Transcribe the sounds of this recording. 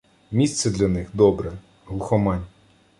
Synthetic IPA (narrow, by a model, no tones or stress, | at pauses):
mʲist̪sɛd̪lʲɐnɪxd̪ɔbɾɛ | ɦlˠʊxɔmɑnʲ